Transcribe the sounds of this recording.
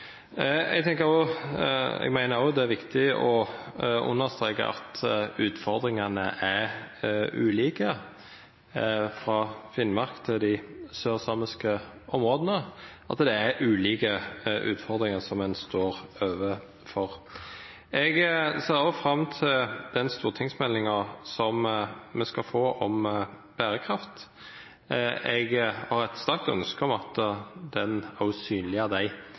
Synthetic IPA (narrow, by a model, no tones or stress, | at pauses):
ɛ̰ɡ̚t̪ʰɛŋkəɾo | ɛ̰ɡmæɪnəɾɔd̪ɛæɾʋɪkt̪ɪɔ | ʊ̰nːəst̪ʁeːkə̰ʔɑ̰t̪ʉːt̪fɔʁd̪ɾɪŋɑnəʔæʁ | ʉ̰ːliːkə | fɾɑfɪnmɑʁkt̪ʰɪld̪ɪsøːʁsɑməskə | ɔmʁoːd̪ənəɑt̪d̪ɛæɾʔʉːliːkəʔʉ̰ːt̪fɔʁd̪ʁɪŋəsɔmɛnst̪oːʁøːʋə | fɔʁ | ɛɡseːɾɑfɾɑmːt̪ʰɪld̪̥ɛnst̪uːʁt̪ʰɪŋsmɛlːɪŋɑsɔmmɛskɑfoːʔɔm | b̥æːɾəkʰʁɑft̪ | ɛɡhɑɾɛt̪st̪æʁk̚t̪œ̰nskəɔmɑt̪d̪ɛnæʉsyːnlɪəd̪æɪ